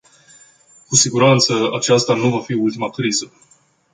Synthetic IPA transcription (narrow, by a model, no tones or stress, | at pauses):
kusiɡuɾant̪səa̰t͡ʃast̪anuvafiult̪imakɾizə